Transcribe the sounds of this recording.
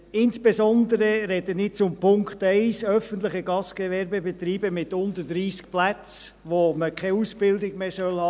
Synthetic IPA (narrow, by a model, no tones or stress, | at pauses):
ɪnsb̥esɔnd̪əɾəɾɛdənɪt͡sʊmpʊŋktɛɪsœfəntlɪχəɡɑsɡ̥ɛvɛɾbəbet̪ɾiːbəmɪtʊndədɾiːsk̚plæt͡sʋoməkʰaɪusb̥ɪldɪɡmeːsœlhɑː